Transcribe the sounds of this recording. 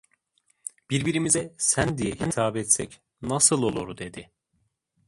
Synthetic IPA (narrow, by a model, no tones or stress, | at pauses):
b̥iɾbiɾimizɛsænd̪ijɛhint̪ʰaːbɛt̪sɛc | nasɯlˠolˠoɾud̪e̞d̪ɪ